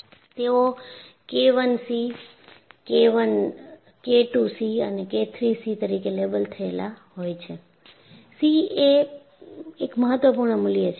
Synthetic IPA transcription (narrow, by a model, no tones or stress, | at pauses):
t̪eokeʋənsi | keʋən | keʈusiəneket̪ʰɾisit̪əɾikelebəlt̪ʰəela̰ɦojt͡ʃʰe | sie | ekməɦət̪ʋəpuɾɳəmʊlijət͡ʃʰ